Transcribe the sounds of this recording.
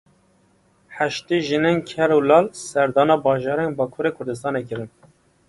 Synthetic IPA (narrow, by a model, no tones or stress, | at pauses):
ħæʃt̪eːʒinenkʰɛɾulɑːlsɛɾd̪ɑːnɑːbɑːʒɑːɾɛnbɑːkʰuɾekʰʊɾd̪ɨs̬t̪ɑːnekɨɾɨn